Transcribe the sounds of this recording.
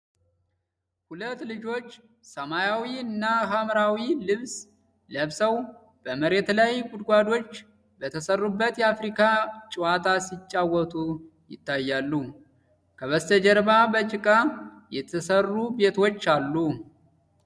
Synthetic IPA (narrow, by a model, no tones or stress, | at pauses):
hulət̪ːlɨd͡ʒo̞t͡ʃː | səmajawiɨnːaɦamɾawilɨβs | ləβsəw | b̥əməɾe̞t̪lajɡʼʊd̪ɡʷad̪o̞t͡ʃː | bət̪ʰəsərːubːət̪jɛafɾikʰat͡ʃʼɪwat̪ʰasit͡ʃʼːawɔt̪ʰʼu | jɪ̰t̪ːajːalːu | kʰəβəst̪ʰəd͡ʒɛɾbabət͡ʃʼɪkʼa | jɛt̪ʰəsərːube̞t̪ʰo̞t͡ʃːalːu